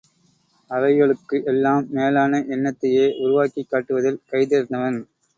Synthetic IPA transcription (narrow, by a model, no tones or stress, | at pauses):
ɐʋɐɪjɐɭɯkːɯʔɛlːaːmːeːlaːnɐʔɛnːɐt̪ːɐjeːʔʊɾʊʋaːkikːaːʈːɯʋɐðɪlkɐɪðeːɾɯnd̪ɐʋɐn